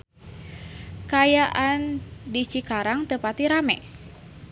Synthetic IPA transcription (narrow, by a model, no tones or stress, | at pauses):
kajaʔandit͡ʃikaɾaŋt̪əpat̪iɾamɛ̰